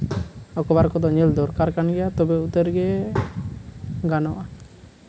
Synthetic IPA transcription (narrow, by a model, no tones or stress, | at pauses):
ɔkɔbaɾkɔd̪ɔɲɛld̪ɔɾkaɾkanɡɛjat̪ɔbɛut̪əɾɡɛ | ɡanɔʔa